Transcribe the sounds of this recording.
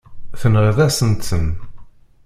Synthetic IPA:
θənʁəðæsənt̪ən

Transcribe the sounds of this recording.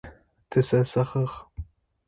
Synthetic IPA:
tʰɨsɐsɐχəʁ

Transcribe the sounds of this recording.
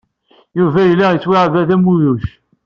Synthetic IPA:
juvæjəlːæjət͡sːwiʕvæðæmuðuʃ

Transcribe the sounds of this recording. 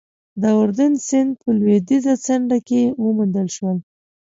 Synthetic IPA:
d̪əʊɾd̪ənsɪnd̪̚pəlwed̪izat͡saɳɖakewəmund̪əlʃwəl

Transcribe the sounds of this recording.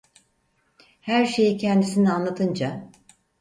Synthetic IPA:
hæɾʃe̞jicʰɛnd̪isinianlˠat̪ʰɯnd͡ʒa

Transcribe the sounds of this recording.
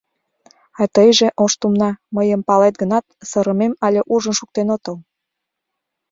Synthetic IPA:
ɑt̪əjʒeʔoʃt̪umnɑməjəmpɑlet̪̚ɡənɑt̪̚sɤɾəmemɑlʲeʔuʒənʃuk̚t̪enot̪əl

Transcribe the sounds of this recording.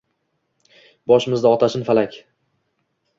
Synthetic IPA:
bɒʃɪmɪzd̪aɒt̪ʰaʃɪnfalakʲ

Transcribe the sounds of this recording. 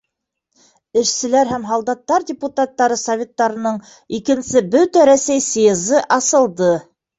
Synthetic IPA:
ɘ̆ʃsɘ̆læɾɦæmɦɑlˠd̪ɑt̪ːɑɾdʲɪput̪at̪ːɑɾɤsɐvʲe̞t̪ːɑɾɤ̆nɤɴ | ikɘ̆nsɘbɵt̪æɾæsæjsjɤzɤʔɑsɤ̆lˠd̪ɤ

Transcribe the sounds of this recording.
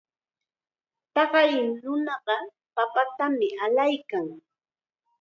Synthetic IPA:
t̪ɑɢɑjɪnʊnɑɢɑ | papat̪amɪʔalajkaŋ

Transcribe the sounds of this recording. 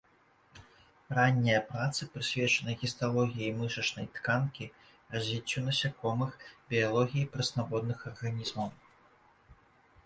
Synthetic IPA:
ranʲːijɐpɾat̪sɨpɾɨsʲvʲɛt͡ʂɐnɐjɣʲist̪alˠɔɣʲijɐjmɨʂɐt͡ʂnɐjt̪kankʲi | rɐzʲvʲit͡sʲːunɐsʲakɔmɨxbʲijalˠɔɣʲijipɾɐsnabɔd̪nɨxɐrɣanʲizmɐw

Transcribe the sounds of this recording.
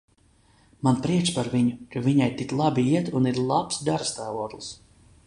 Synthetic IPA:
manpɾiɛt͡ʃpaɾviɲukavʲiɲajt̪iklˠabiiɛt̪uniɾlˠapsd̪aɾst̪aːvɔɔk̪lˠs

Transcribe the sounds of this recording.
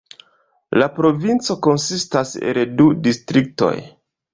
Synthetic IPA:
lapɾo̞vint͡so̞ko̞nsistasḛldudistɾik̚to̞̰j

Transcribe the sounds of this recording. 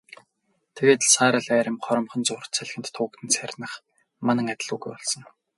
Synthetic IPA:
t̪ʰeɣeːt̪saːɾə̆ɮæːɾʲɪ̆mχɔɾɞ̆mχɞ̆nt͡sʊr̥̆t̪t͡sʰæɮ̆xʲɘ̆t̪ʰːʊːkt̪ʰɘ̆nt͡særʲnə̆χ | manə̆ŋat̪̆ʲɮuːɣujpɔɮsɞ̆ŋ

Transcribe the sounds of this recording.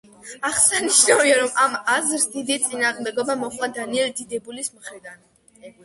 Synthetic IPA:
aχsɛniʃnaviaɾɔmʔamazɾsd̪id̪it̪sʼinaːʁmd̪ɛɡɔbamɔχwad̪aniɛld̪id̪ɛbulismχɾid̪an

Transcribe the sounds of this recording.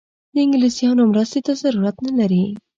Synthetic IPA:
d̪ɪŋɡlisijɑnomɾəst̪et̪azɐɾuɾat̪nalaɾi

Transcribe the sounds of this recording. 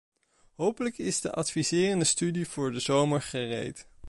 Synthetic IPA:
ɦowpələkɪzdəʔɑtfizɪːrəndəstydiv̥ʊːɹdəzowməɹχərḛjt

